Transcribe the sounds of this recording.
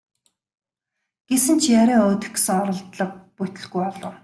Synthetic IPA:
ɡ̥esɘ̆nt͡ɕʰjaɾʲiːŋoːt̪ɘ̆xɡsɘ̆ŋɔɾɞ̆ɮt̪ɮə̆q̚put̪ɵ̆ɮɡujɔɮʊː

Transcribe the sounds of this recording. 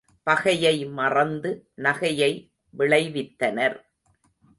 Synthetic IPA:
pɐɣɐjɐɪmɐrɐnd̪ɯnɐɣɐjɐɪ | ʋɪɭɐɪʋɪt̪ːɐnɐɾ

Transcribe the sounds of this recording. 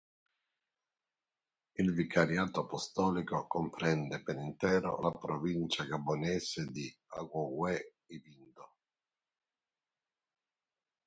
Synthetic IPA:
ilvikʰaɾjaːt̪oapɔst̪ɔːlikokɔmpɾɛnd̪ɛpɛɾint̪ɛːɾo̰lapɾɔvint͡ʃaɡabːonɛːsɪd̪ia̰kɔwɛ | ivind̪o

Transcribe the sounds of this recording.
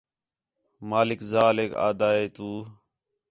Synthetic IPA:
maːlɪkzaːleːka̰ːd̪aːeːt̪uː

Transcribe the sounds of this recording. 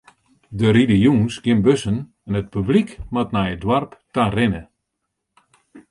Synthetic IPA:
dəɾilijunsɡɪnbøsən | ɛnət̚pyblikmatnɛjədwarptarɪnə

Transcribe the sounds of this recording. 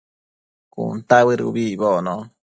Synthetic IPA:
kṵnt̪aβɨɾṵβiβono

